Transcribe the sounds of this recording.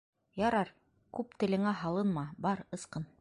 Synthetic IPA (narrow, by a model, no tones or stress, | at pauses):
jɑɾɑɾ | kʉpt̪ɘ̆lɘ̆ŋæɦɑlˠɤnmɑbɑɾɤ̆sqɤn